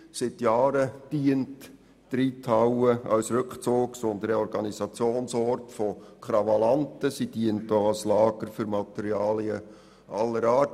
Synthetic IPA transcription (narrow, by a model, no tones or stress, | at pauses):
sɪtjɑːɾəd̥iəntː | ɾiːtʰawəɑ̰lsɾʏkχt͡soːɡsɔnd̪əɾəɔɾɡɑnisɑt͡sjoːnsɔrtfɔkχɾɑvɑlɑntəsid̥iəntoɑlslɑːɡ̥əɾfʏɾmɑt̪ɛɾiɑːliə | ʔɑlːəɾɑːt